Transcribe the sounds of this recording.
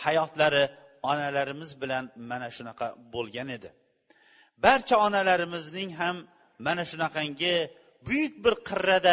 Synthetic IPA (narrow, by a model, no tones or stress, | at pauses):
hajɒt̪laɾɪ | ɒnalaɾɪmɪzbɪlanmanaʃʊnɑqʰɑbolˠɡʲane̞d̪ɪ | baɾt͡ʃʰaɒnalaɾɪmɪznɪŋɦamː | anaʃʊnɑqɑŋɡʲɪ | bʊjʊk̚ʲbɪɾqʰɨɾːad̪a